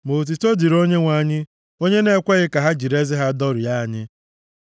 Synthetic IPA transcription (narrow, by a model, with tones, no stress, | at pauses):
mo˨t̬i˨to˦di˨ɾo˦ɲe˦ŋʷa˦ɲɪ˦ | o˦ɲe˦ne˦kʷe˦ɣɪ˦ka˨ɦa˦d͡ʒi˨ɾe˦zɪ˦ɦa˦dɔ˦ɾi˨ja˦˨ɲɪ˦